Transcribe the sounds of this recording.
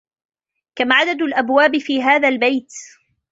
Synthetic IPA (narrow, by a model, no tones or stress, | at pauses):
kamaʕad̪ad̪ʊlʔabwaːbɪfiːɦaːðalbajt̪